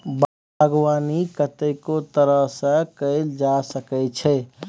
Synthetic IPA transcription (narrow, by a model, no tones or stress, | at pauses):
b | ɡwanikət̪əɪkot̪əɾəɦsə̃kəɪld͡ʒasəkɛt͡ʃʰɛ